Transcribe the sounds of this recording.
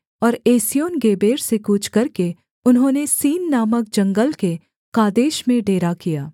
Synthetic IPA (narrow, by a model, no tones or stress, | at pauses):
ɔːɾeːsijoːnɡeːbeːɾsekuːt͡ʃʰkɐɾke | ʊnɦõːnesiːnːaːmək̚d͡ʒɐ̃ŋɡəlke | kaːd̪eːʃmẽɖeːɾakijaː